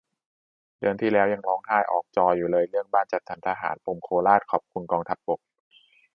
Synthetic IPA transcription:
dɯ˧ənt̪ʰiː˥˩lɛː˦˥wja˧ŋlɔː˦˥ŋh̪ʰaː˥˩jʔɔ̰ː˨˩k̚t͡ɕɔː˧juː˨˩lɤː˧jɾɯ˥˩əŋbaː˥˩nt͡ɕa˨˩t̪ʰːa˩˦nt̪ʰaː˧ɦa̰ː˩˦npo˧˩mkʰoː˧laː˥˩t̪̚kʰɔː˨˩p̚kʰu˧nkɔː˧ŋt̪ʰa˦˥p̚bo˨˩k̚

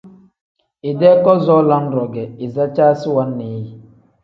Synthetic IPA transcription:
e˨dɛ˦kɔ˦zɔ˦la˦n̩˦ɾɔ˨ɡɛ˨i˨za˦t͡ʃa˦si˦wa˦nːe˨˦ji˨

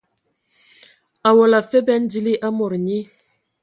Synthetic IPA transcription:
a˨wo˨la˨fɛ˦bɛ˦n˦di˦li˦ʔa˦mɔ˨ɾɲi˦

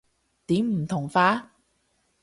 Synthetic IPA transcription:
t̪iː˨˥mm̩˨˩t̪ʰʊ˨˩ŋfaː˧˥

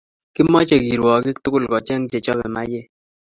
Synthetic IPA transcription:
kɪ˦mɔ˦t͡ʃɛ˨ɡi˨ɾwɔ˨kɪ˦t̪ʊ˦kʊ˦˨lkɔ˨t͡ʃɛ˦ŋd͡ʒe˨t͡ʃɔ˦bɛ̰˨ma˦je˦

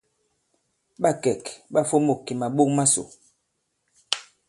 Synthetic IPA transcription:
ɓa˦˨kɛ˨kɓa˦fo˦mo˨ki˨ma˨ɓo˦kma˦so̰˨

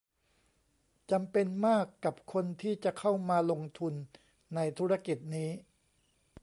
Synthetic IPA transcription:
t͡ɕa˧mpe˧nmaː˥˩kːa˨˩p̚kʰo˧nt̪ʰiː˥˩t͡ɕa˨˩kʰa˥˩wmaː˧lo˧ŋt̪ʰu˧nː | a˧jt̪ʰuː˦˥ɾa˧ki˨˩t̪̚niː˦˥

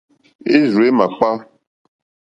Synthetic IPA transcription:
e˦zu˨e˦mã˨k͡pa˦

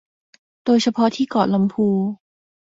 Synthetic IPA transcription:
d̥oː˧jt͡ɕʰa˧pʰɔ˦˥t̪ʰiː˥˩kɔ̰ː˨˩la˧mpʰuː˧

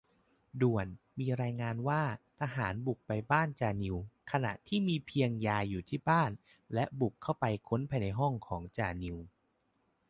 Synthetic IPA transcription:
du˨˩ən | miː˧ɾaː˧jŋaː˧nwaː˥˩t̪ʰa˧ɦaː˩˦nbu˨˩k̚pa˧jbaː˥˩nt͡ɕaː˧˩ni˧wkʰa˧na̰˨˩ʔt̪ʰiː˥˩miː˧pʰi˧əŋjaː˧juː˨˩t̪ʰiː˥˩baː˥˩n | lɛ˦˥ʔbu˨˩kʰːa˥˩wpa˧jkʰo˦˥npʰa˧jna˧jɦɔ˥˩ŋkʰɔː˩˦ŋt͡ɕaː˧ni˧w

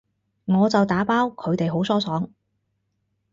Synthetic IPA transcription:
ŋɔː˨˧t͡sɐ˨wt̪aː˨˥paː˥wkʰɵ˨˧ɥt̪e˨jɦo˨˥wsɔː˥sɔː˨˥ŋ

